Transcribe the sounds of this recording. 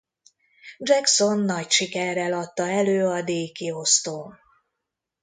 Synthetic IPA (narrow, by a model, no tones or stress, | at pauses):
d͡ʒɛkso̞nːɒcʃikɛrːɛlɒt̪ːɒɛløːɒd̪eːkio̞st̪oː